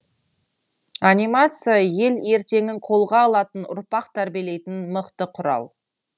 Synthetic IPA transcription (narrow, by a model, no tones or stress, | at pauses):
anʲijmat̪sɨjaje̞le̞ɾt̪e̞ŋɪŋqʰo̞lˠʁɑːlˠɑt̪ənʊ̰ɾpɑqt̪ʰæɾbijele̞jt̪ɪnməqt̪əqʰʊɾɑ̰wˠ